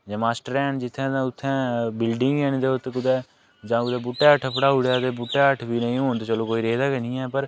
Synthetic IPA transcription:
d͡ʒaːmaːsʈəɾɛːnd͡ʒɪt̪ʰːɛ̃ːt̪ãʊt̪ʰːɛ̃ːbɪlɖɪ̃ŋɡɛːnd̪eːʊt̪kʊd̪ɛː | d͡ʒãːkʊd̪ɛːbʊʈːeːəʈʰːpəɽaːʊɽjaːt̪eːbʊʈːeːəʈʰbiːnəĩːɦoːnt̪et͡ʃəloːkoːiːɾeːzaːkənĩːɛːpəɾ

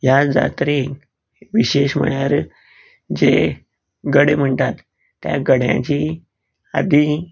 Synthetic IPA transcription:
jad͡za̰t̪ɾe | ʋiɕeɕm̤ə̰ɭjaɾ | d͡ʑe | ɡəɽem̤əɳt̪at̪ː | ja̰ɡəɽjã̰t͡ɕi | a̰d̪ʱi

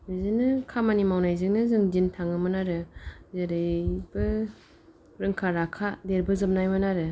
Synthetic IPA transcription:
bɯzɯnɯkʰamanimawnajzɯŋnɯzɯŋzintʰaŋɯmɯnaɾɯzaɾɯjbɯ | ɾɯŋkʰaɾakʰadeɾbɯzɯm̚najmɯnaɾɯ

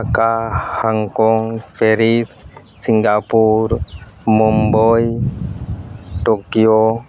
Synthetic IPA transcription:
kahaŋkoŋfeɾis | siŋɡapuɾ | momboj | ʈokijo

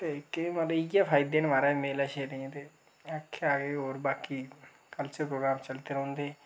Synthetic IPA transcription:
t̪ekeməɪjaːpʰaːɪd̪eːnʋaːɾaːmeːlaːʃeːɾeẽːt̪eː | akʰːeaːɡeɦoːɾbaːkiː | kəlt͡ʃəpɾoːɡɾaːmt͡ʃəlt̪eːɾõːnd̪eː

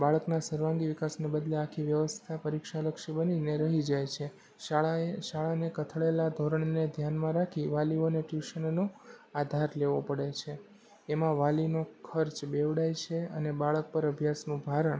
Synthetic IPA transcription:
baɭəknasəɾʋãŋɡiʋikasnebəd̪leakʰiʋjəʋəst̪ʰapəɾikʃaləkʃibənineɾəɦid͡ʒajt͡ʃʰe | ʃaɭanekət̪ʰəɭelad̪ʱoɾəɳned̪ʱjanmãɾakʰiʋalioneʈjuʃənnoad̪ʱaɾleʋopəɽet͡ʃʰeː | mãʋalinokʰəɾt͡ʃbeʋɽajt͡ʃʰeənebaɭək̚pəɾəbʱjasnũbʱaɾəɳ

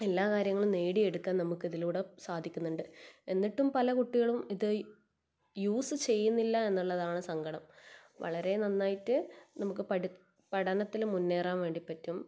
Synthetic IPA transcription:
e̞lːaːkaːɾjɐŋːɐɭumne̞ːɽie̞ɽukːaːnnɐmukːiðiluːɽe̞saːd̪ʱikʲːunːuɳɖɨe̞nːiʈːumpɐlɐkuʈːiɣɐɭumiðɨ | juːsɨt͡ɕe̞jːunːilːɐe̞nːuɭːɐðaːɳɨsɐŋɡɐɽɐmʋɐ̰ɭɐɾe̞nɐnːaːjitːɨnɐmukːɨpɐ | pɐɽɐnɐt̪ːilmːunːe̞ːraːmʋe̞ːɳɖipːɐtːum

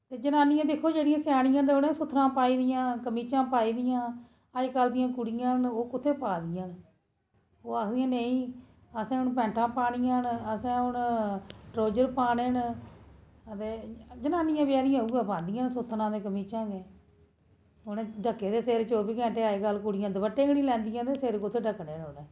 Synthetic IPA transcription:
t̪eːd͡ʒənaːnɪjãːd̪ɪkʰːoːd͡ʒeːɽijãːsjaːɽɪ̃jãːt̪̬eʊnẽːsʊt̪ʰːɾãːpaːiːd̪ɪjãːkəmiːt͡ʃãːpaːiːd̪ɪjãː | əd͡ʒkəld̪ɪjãːkʊɽɪjãːnoːkʊt̪ʰːeːpaːd̪ɪjãːn | oːaːkʰd̪ijãːneĩː | əsãːʊnp̬ɛ̃ːɳʈʰãːpaːɽijãːnəsãːʊn | ʈɾoːd͡ʒəɾpaːneːn | ət̪eːd͡ʒənaːnɪjãːbjaːɾɪjãuːɡaːpãːnd̪ɪjãːnsʊt̪ʰːnãːd̪eːkəmiːt͡ʃãːɡeː | ʊneɖəkːeːd̪eːseːɾt͡ʃoːbiːkɛ̃ːɳʈeːakəlkʊɽɪjãːd̪əbəʈːeːɡɽĩːlɛ̃ːnd̪ɪjãːd̪eːseːɾkʊt̪ʰːeːɖəkːneːnonː

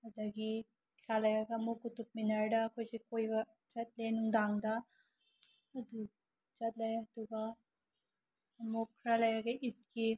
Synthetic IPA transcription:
ɐd̪aɡi | kʰɾalɐjaɡɐmukutup̚minɐɾdɐkʰojsikojbɐ | t͡ʃɐt̪̚lenuŋd̪aŋdɐ | d̪u | t͡ʃɐt̚lɐjɐd̪uɡa | mukʰːɾalɐjaɡɐʔit̚ki

